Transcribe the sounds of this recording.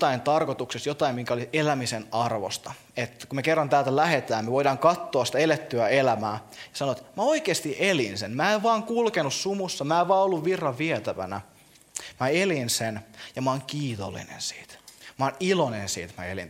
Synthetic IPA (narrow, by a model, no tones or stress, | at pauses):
t̪ɑint̪ɑrkot̪uksest̪jot̪ɑimmiŋkæoliselæmisenɑrʋo̰st̪ɑ | et̪kumekerːɑnt̪æːlt̪ælæhet̪æːnmeʋoidɑːŋkɑt̪ːoɑsi̥t̪æelet̪ːyæelæmæːjɑsɑnoʋɑt̪mæo̞ikeːst̪iʔelinsenmæːeʋʋɑːŋkulkenussumusːɑmæːeʋʋɑːolːuʋʋirːɑʋʋiet̪æʋæ̰næ̰ | mæelinsenjɑmɑːŋkiːt̪o̰lːḭnḛnsi̥ːt̪mɑːnilonensḭːt̪mæ̰ḛlḭn